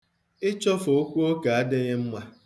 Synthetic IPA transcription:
ɪ˦t͡ʃɔ˦fo˨˦kʷu˦o˦ka˨a˦de˦ɣɪ˦m̩˦mʷa˦

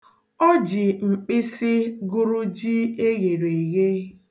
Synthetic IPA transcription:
ɔ˦d͡ʒɪ˨ŋ͡m̩˨k͡pɪ˦sɪ˦ɡʊ˦ɾu˦d͡ʒi˦e˦ɣe˨ɾe˨ɣe˦

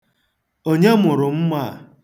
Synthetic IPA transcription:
o˦ɲe˦mʊ˨ɾʊ˨m̩˦ma˦˨

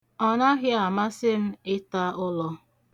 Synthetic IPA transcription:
ɔ˦na˦ɣɪ˦a˨ma˦sɪ˦m̩˦ɪ˦ta˦ʔʊ˦lɔ˦

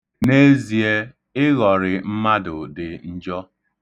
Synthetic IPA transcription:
ne˦zi˨e˦ | ɪ˦ɣɔ˨ɾɪ˨m̩˦ma˦dʊ˨dɪ˨n̩˦d͡ʒɔ˦

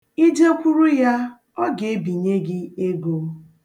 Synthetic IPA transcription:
i˦d͡ʒe˦kʷu˦ɾu˦ja˦ | ɔ˦ɡe˨e˦bi˨ɲe˦ɡɪ˦e˦ɡo˦

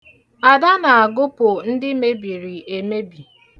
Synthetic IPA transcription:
a˨da˦na˨a˨ɡʊ˦pʊ˨n̩˦dɪ˦me˦bi˨ɾi˨e˨me˦bi˨

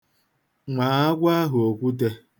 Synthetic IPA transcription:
ŋʷa˨a˦ɡʷa˦ɦʊ˨o˨kʷu˦t̬e˧

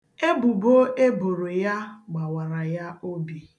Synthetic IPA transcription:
e˦bu˨bo˦e˦bo˨ɾo˨ja˦ɡ͡ba˨wa˨ɾa˨ja˦o˦bi˨

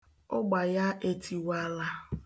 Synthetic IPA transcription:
ʊ˦ɡ͡ba˨ja˦ʔe˨tʰi˨wa˦la˦

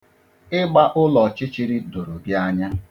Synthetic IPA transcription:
ɪ˦ɡ͡ba˦ʔʊ˦lɔ˨t͡ʃɪ˦t͡ʃi˦ɾi˦do˨ɾo˨bja˦ɲa˦

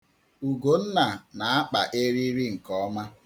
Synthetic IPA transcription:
u˨ɡo˨n̩˦na˨na˨a˦k͡pa˨ʔe˦ɾi˦ɾi˦ŋ̩˨kɔ˦ma˦

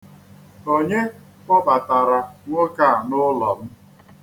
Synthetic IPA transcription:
o˦ɲe˦ | kɔ˦ba˨ta˨ɾa˨ŋʷo˦ka˦˨nʊ˦lɔ˨m̩˦

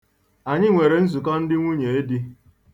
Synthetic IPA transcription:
a˨ɲɪ˦ŋʷe˨ɾe˨n̩˦zu˨kɔ˦n̩˦dɪ˦ŋʷu˦ɲe˨e˦di˦

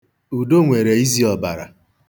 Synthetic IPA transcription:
u˨do˦ŋʷe˨ɾe˨i˦zi˦ɔ˨ba̰˨ɾa̰˨

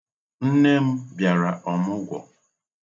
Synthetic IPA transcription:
n̩˦ne˦m̩˦bja˨ɾa˨ʔɔ˨mʊ˦ɡʷɔ̰˨

